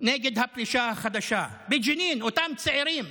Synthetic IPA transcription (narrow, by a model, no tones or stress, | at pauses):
neːɡɪd̪haplɪʃaːxad̪aʃaːbɪd͡ʒɪniːnwɪt̪amt̪sɪʕiɾiːm